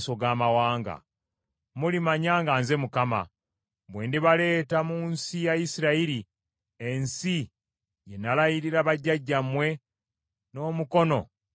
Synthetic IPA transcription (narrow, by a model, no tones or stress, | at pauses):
so̞ɡaːmawaːŋɡa̰ | mulimaɲaːŋɡaːnze̞mukama̰ | bwe̞ːndiβale̞ːtamuːnsijajisiɾaiɾi | e̞nsi | je̞nalajiɾiɾaβaɟːaɟːamwe̞ | no̞ːmuko̞no̞̰